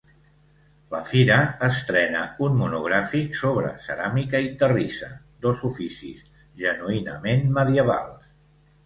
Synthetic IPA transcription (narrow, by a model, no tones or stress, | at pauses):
ləfiɾəːst̪ɾɛnə̰unmunuɣɾafiksoβɾə̰sə̰ɾamikəit̪ərisə̰ | d̪ozufisḭz | ʒənuinəmenməðiəβa̰lˠs